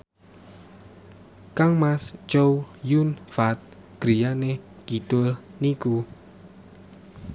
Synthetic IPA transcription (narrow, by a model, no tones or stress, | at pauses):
kaŋmast͡ʃowjunfat̪̚ | ɡ̥ɾijane | ɡ̥it̪ʊlniku